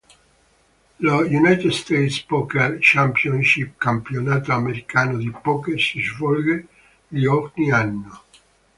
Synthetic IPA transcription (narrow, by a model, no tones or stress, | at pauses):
lojunajt̪ed̪st̪ejt̪spɔkert͡ʃampjonʃip̚kampjonaːt̪oameɾikaːnod̪ipɔkesiʒvɔlɡe | liɔrnianːo